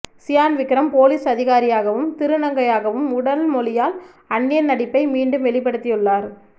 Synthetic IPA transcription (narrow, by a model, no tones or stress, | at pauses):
sɪjaːnʋɪkːɪɾɐmpoːliːsɐðɪɣaːɾɪjaːɣɐʋɯmt̪ɪɾɯnɐŋɡɐjaːɣɐʋɯmʊɽɐlmɔlɪjaːl | ɐɳːɪjɐnɐɽɪpːɐɪmiːɳɖɯmʋɛɭɪp̬ːɐɽɯt̪ːɪjɯɭːaːɾ